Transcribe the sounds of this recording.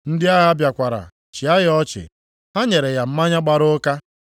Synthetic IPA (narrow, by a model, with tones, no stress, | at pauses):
n̩˦dɪ˦a˦ɦa˦bja˨kʷa˨ɾa̰˨ | t͡ʃɪ˨a˦ɣɪ˦ɔ˦t͡ʃɪ̰˨ | ɦa˦ɲe˨ɾe˨ja˨m̩˦ma˦ɲa˦ɡ͡ba˨ɾʊ˦ka˦